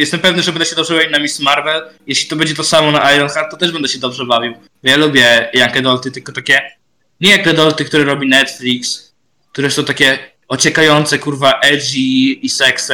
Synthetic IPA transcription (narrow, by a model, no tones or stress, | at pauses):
jɛst̪ɛmpɛvnɘʐɛbɛnd̪ɛɕɛd̪ɔbʐɛbavinamʲismaɾvɛljɛɕlʲi̥t̪ɔbɛɲd͡ʑɛt̪ɔsamɔnaʔajɾɔnxaɾt̪̚t̪ːɔt̪ɛʐbɛnd̪ɛɕɛd̪ɔbʐɛbavʲiw | bɔjalubʲjɛjaŋkɛd̪ɔlt̪ɘt̪ɘlkɔt̪akʲɛ | ɲɛjakɛd̪ɔlt̪ɨkt̪uɾɛɾɔbʲinɛt̪fʲlʲiks | kk̚t̪uɾɛsɔ̃w̃t̪akʲɛ | ɔt͡ɕɛkajɔnt̪sɛkuɾvaʔɛʐiːsɛksɛ